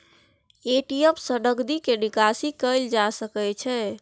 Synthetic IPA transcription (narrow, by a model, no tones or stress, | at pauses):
eʈijepsəɖəkd̪ikeɖikasikəɪld͡ʒasəkɛt͡ʃʰɛ